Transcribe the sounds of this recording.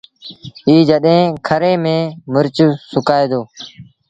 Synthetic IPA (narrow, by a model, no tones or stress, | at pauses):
iːd͡ʒəɗɦẽːkʰəɾẽːmẽːmʊɾt͡ʃːsʊkaːeːd̪oː